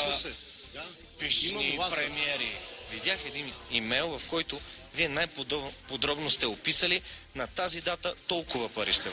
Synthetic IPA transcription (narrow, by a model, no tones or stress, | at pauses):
piʃnipɾɛmiɛɾivid̪ʲjaxɛd̪inimɛjlˠvɐfkɔjt̪ʊ | viɛnajpod̪ɾɔbnʊst̪ɛopisəlinɐt̪azid̪at̪ət̪ɔlˠkʊvɐpɐɾiʃt̪ɛ